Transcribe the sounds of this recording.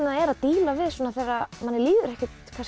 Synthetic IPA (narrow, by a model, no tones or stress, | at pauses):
naɛɾaðt̪iːlavɪðsɔːnaθejrːamanːɛɾliːðʏɾɛhcɪt̪kʰas